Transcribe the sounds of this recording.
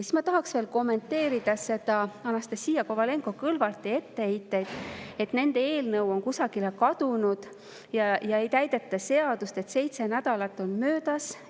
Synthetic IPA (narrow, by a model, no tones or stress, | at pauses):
si̥smɑt̪ɑɦɑksve̞ːlko̞mːe̞nt̪ːe̞ːɾid̪̥ɑse̞d̪̥ɑɑnɑst̪esiːjɑkovɑle̞ŋɡo̞kɤlvɑlt̪ːˑie̞t̪ːeejt̪ːˑejd̪̥e̞t̪ne̞nd̪e̞e̞ːlnɤwo̞ŋkusɑɡ̥ile̞kɑd̪̥unud̪̥ | jɑjɑe̞jt̪æjd̪̥e̞t̪ːˑɑse̞ɑd̪ust̪et̪se̞jt̪se̞næd̪̥ɑlɑt̪ːˑo̞nmø̞ːd̪̥ɑs